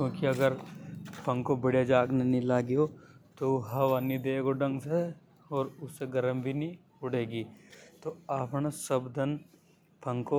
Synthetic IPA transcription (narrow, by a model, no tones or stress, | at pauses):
kjõːkiɐɡəɾpʰɐ̃ŋkobɪɽed͡ʒaːɡnenilaːɡiot̪oɦɐʋaːnid̪eːɡoɖɐ̃ŋɡse | ɔːɾʊsːeɡɐɾəmbʱinĩ | ɦʊɽeːɡiːt̪oaːpɳ̃asɐbd̪ɐn | pʰɐ̃ŋko